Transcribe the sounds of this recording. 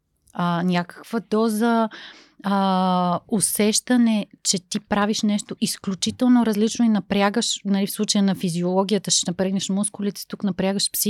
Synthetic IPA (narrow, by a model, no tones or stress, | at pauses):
ənʲakə̥kv̥əd̪ɔzə | osɛʃt̪ɐnɛt͡ʃɛt̪ipɾaviʃnɛʃt̪oʔisklʲut͡ʃit̪ɛlˠnoɾɐzlit͡ʃnoinɐpɾʲaɡəʃnɐlifslˠut͡ʃəjənɐfiziolˠɔɡʲijət̪əʃɛnɐpɾɛɡnɛʃmuskʊlʲit̪ɛ̥t̪uknɐpɾʲjaɡəʃpsi